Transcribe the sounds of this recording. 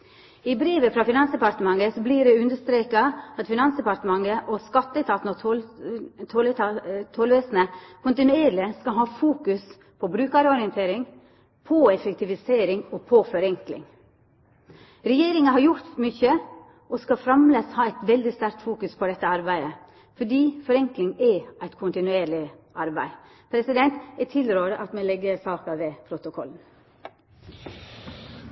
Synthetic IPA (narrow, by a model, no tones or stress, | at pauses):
ɪbɾeːʋəfɾɑfɪnɑnsd̪ɛpɑɾt̪əmɑŋəsɔbliɖɛʉnd̪əʂt̪ɾeːkɑɑt̪fɪnɑnsd̪ɛpɑɾt̪əmɑŋəʔɔskɑt̪ːət̪ʰɑːt̪n̩ɔ | t̪ʰolət̪ʰolʋeːsnəkʰʊnt̪ɪnʉeːɾlɪskɑɦɑːfuːkʉs | pʰɔbɾʉːkɑɾɔɾɪənt̪ʰeːɾɪŋ | pʰɔɛfɛk̚t̪ɪʋɪseːɾɪŋɔpʰɔfɔɾɛŋklɪ̰ŋ | ɾɛjeːɾɪŋɑɦɑɾjʊɾt̪mʏçə | ʔɔskɑfɾɑmleːshɑːæɪt̪ʋɛld̪ɪst̪æɾk̚t̪fuːkʉspʰɔd̪ɛt̪ːəɑɾbæɪd̪ə | fɔɖiːfɔɾɛŋklɪŋɛʔæɪt̪kʰʊnt̪ɪnʉeːɾɭɪʔɑɾbæ̰ɪ | pʰɾɛsɪd̪ɛnt̪ɛt̪ʰɪlɾøːɾəʔɑt̪mɛlɛɡːəɾsɑːkɑʋɛpʰɾʊt̪ʊkʰɔ̰ln̩